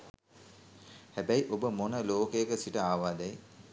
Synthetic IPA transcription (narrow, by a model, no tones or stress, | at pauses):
hæbæiʔobəmonəloːkeəkəsiʈəaːʋaːd̪ɛj